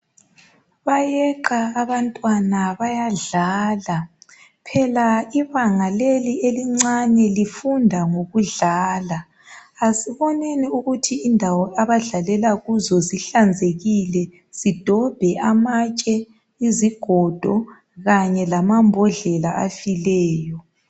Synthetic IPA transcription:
βajɛǃaːβantʼwanaβajaɮaːla | pʰɛlaiβaŋalelieliŋ͡ǀanɛlifundʱaŋoɣuɮaːlaː | siβɔneniuɣutʰiːndʱawɔʔaβaɮalɛlaɣuzɔziɬand͡zʱeɣilɛ | z̥id̥ʱɔb̥ʱɛʔamat͡ʃʼɛ | iziɡ̥ʱɔd̥ʱɔ | ɣaɲɛlamambʱɔɮɛlaʔafilɛːjɔ

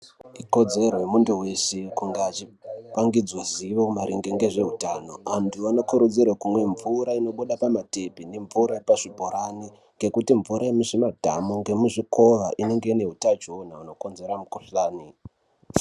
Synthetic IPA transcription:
iko̞d͡ze̞rwe̞munduwe̞sekuŋɡaːt͡ʃipaŋɡid͡zwaziʋomaɾiŋɡeŋɡe̞ʐe̞ɦutano̞antʰuano̞kuɾud͡zirwakumwe̞ɱvuɾaino̞ɓuɗapamate̞pine̞ɱvuɾajepaʐibʱoɾani | ŋɡe̞kutiɱvuɾʔaemuʐimadʱa̰muŋɡe̞muʐiko̞ʋa̰ʔine̞ŋɡe̞ine̞ɦutat͡ʃoonauno̞ko̞nze̞ɾamukuɬaːni

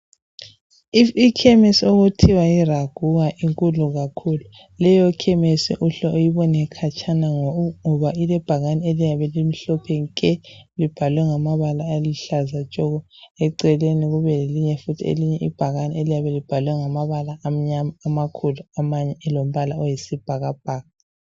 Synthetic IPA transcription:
ikʰɛmesioɣutʰiwairaɡ̥ʱuɣaʔiŋkʼuluɣakʰulu | lɛjɔkʰɛmesḭʔuɬɔʔojiβɔnɛkʰat͡ʃʰʼanaŋɔŋɔβailɛb̥ʱaɣanielijaβɛlim̩ɬɔpʰɛŋkʼɛlib̥ʱalwɛŋamaβalaːliɬazat͡ʃʼɔɣɔɛǀɛleniɣuβɛleliɲɛfutʰiḛliɲɛʔḭb̥ʱaɣanielijaβɛlib̥ʱalwɛŋamaβalaːm̩ɲamaːmakʰuluamaɲɛɛlom̩βalaɔjesib̥ʱaɣab̥̚ʱaːɣa

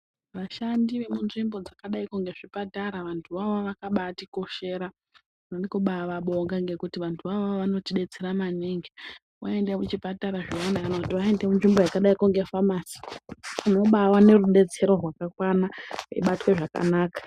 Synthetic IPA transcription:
ʋaʃandiʋe̞munʐimbo̞d͡zakaɗaikuŋɡe̞ʐ̥ipataɾaʋantʰuʋaʋoʋakaɓatiko̞ʃe̞ːɾa | unonikuɓaʋaɓo̞ŋɡaŋɡe̞kutiʋantʰuʋaʋoʋano̞tiɗe̞t͡se̞ɾamaniŋɡi | waendemut͡ʃipataɾaʐiendakanakutiʋae̞nde̞munʐimbojakaɗaikuŋɡe̞famaːsi̥uno̞ɓawane̞ruɗe̞t͡se̞ɾo̞rwakakwanaḭɓatweʐaka̰naːkḁ

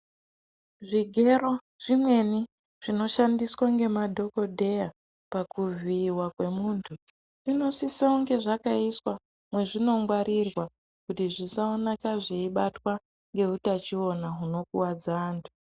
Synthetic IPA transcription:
ʐiɡʱe̞ro̞ | ʐ̥imwe̞ni | ʐ̥ino̞ʃandiswaŋɡe̞madʱo̞ko̞dʱe̞ja | pakuviːwakwe̞muːntʰu | rino̞sisaoŋɡe̞ʐakaiswa | mwe̞ʐino̞ŋɡwaɾirwa | kutiʐisaonakaʐiiɓatwa | ŋɡe̞utat͡ʃio̞naɦuno̞kuwad͡zaːntʰu̥

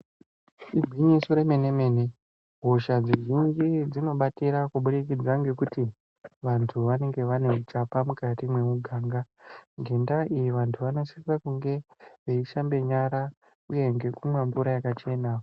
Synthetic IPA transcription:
iɡʱwiɲisoɾe̞me̞ne̞me̞ne | ɦoʃad͡ziʒind͡ʒid͡zino̞ɓatiɾakuɓuɾikid͡zaŋɡe̞kuti | ʋantʰuʋane̞ŋɡe̞ʋane̞ut͡ʃapamukatimwe̞muɡʱaːŋɡa | ɡʱe̞ndaijiʋantʰuʋano̞sirakuŋɡe̞ʋeiʃambe̞ɲaɾa | uje̞ŋɡe̞kumweɱbuɾajakat͡ʃe̞ːna

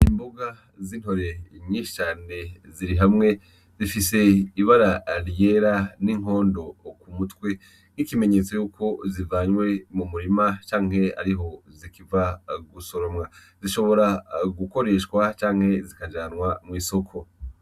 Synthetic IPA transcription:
imboɡa | ziːn̥ho̞ɾe̞ɲiːʃi̥t͡ʃaːne̞ziɾiɦamŋe̞ | zifise̞iβaɾaɾjeːɾaniŋ̥ɦo̞ːndo̞kumutwe̞ | n̥ikime̞ɲet͡so̞juːkʰo̞zivaːɲwe̞mumuɾimat͡ʃaːŋhe̞a̰ɾiɦo̞zikivaɡuso̞ɾomŋa | ziʃo̞βo̞ɾaɡuko̞ɾe̞ːʃkwat͡ʃaːŋ̥he̞zikad͡ʒaːnwamŋiːso̞kʰo̞

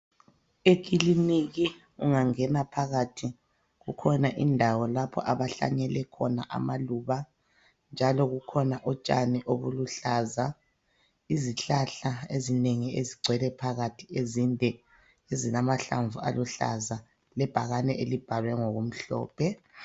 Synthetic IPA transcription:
ek̬ʼiliniɣi | uŋaŋɛnapʰaɣatʰi | ɣukʰɔnaʔindʱawɔlapʰɔ̰ʔaβaɬa̰ɲɛlɛkʰɔnaʔa̰maluːβa | nd͡ʒʱalɔɣukʰɔnaʔɔt͡ʃʼa̰niʔoβuluɬaːza | iziɬaɬaezineŋieziɡ͡ǀʱwɛlɛpʰaɣatʰiezindʱɛ | ezilamaɬa̰ɱvua̰luɬa̰za | lɛb̥ʱaɣanɛʔelib̥ʱalwɛŋoɣum̩ɬɔ̰ːpʰɛ

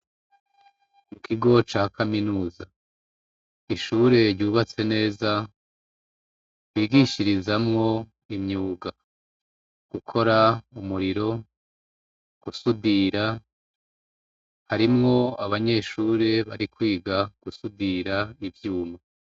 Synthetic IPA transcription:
mukʰiɡo̞t͡ʃaːhakaminuːza | iʃuːɾe̞ɾɟuːβat͡se̞ne̞ːza | wiːɡiʃiɾizamŋo̞ | imɲuːɡa | ɡ̥ukʰo̞ɾaumuɾiɾo̞ | ɡ̥usudiɾa | haɾimŋo̞aβaɲe̞ʃuːɾe̞βa̰ɾikwiːɡaɡ̥usudiɾaivjuːma

